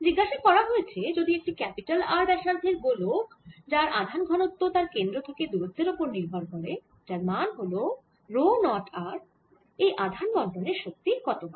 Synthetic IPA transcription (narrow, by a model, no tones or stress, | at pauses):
d͡ʑiɡːaʃakɔɾaɦoet͡ɕʰed͡ʑod̪iek̚ʈikɛpiʈalaɾbɛʃaɾd̪ʱeɾbolokd͡ʑaɾad̪ʱanɡʱɔnot̪ːot̪aɾkend̪ɾot̪ʰaked̪uɾot̪ːeɾopoɾniɾbʱɔɾɦoɾe | d͡ʑaɾmanɦolo | ɾonɔʈaɾ | ejʔad̪ʱanbɔnɖ̪oneɾʃok̚t̪ikɔt̪ona